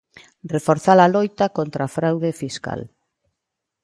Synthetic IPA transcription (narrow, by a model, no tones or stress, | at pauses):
rrefoɾθalalojt̪akont̪ɾafɾawðefiska̰l